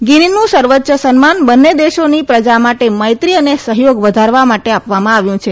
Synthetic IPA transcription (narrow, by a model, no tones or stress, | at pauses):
ɡininũsəɾʋətːʃəsənmanbənːed̪eʃonipɾəd͡ʒamaʈeməjt̪ɾiənesəɦjoɡʋəd̪ʱaɾʋamaʈeapʋamãaʋjũt͡ʃʰe